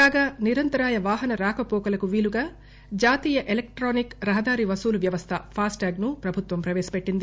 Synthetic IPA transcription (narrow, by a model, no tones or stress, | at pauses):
kaːɡaːniɾɐnt̪ɐɾaːjɐʋaːɦɐnɐɾaːkɐpoːkɐlɐkuʋiːluɡaː | d͡ʒaːt̪iːjɐʔelek̚ʈɾoːnikɾɐɦɐd̪aːɾiʋɐsuːluʋjɐʋɐst̪ʰɐpʰaːsʈaːɡnupɾɐbʱut̪ʋɐmpɾɐʋɛːsɐ̥peʈːind̪i